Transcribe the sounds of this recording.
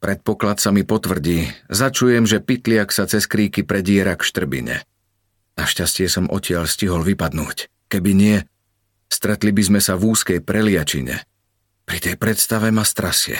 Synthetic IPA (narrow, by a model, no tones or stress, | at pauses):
pɾɛt̪̚pɔklat̪samipɔt̪ʋr̩ɟiːzat͡ʃujɛmʒɛpit̪lɪaksat͡sɛskɾiːkipɾɛɟɪɛɾakʃt̪r̩bḭɲɛ̰ | naʃcascɪɛsɔmʔɔcɪaʎsciɦɔlʋipad̪nṵːc | kɛbiɲɪɛ | st̪ɾɛt̪libizmɛsavuːskɛjpɾɛlɪat͡ʃḭɲɛ̰ | pɾit̪ɛjpɾɛt̪st̪aʋɛmast̪ɾasɪɛ̰